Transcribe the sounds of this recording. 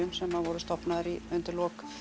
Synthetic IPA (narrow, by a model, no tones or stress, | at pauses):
ʏmsɛmhaðvɔɾʏst̪ɔpnaðɪɾiʏnt̪ɪlɔk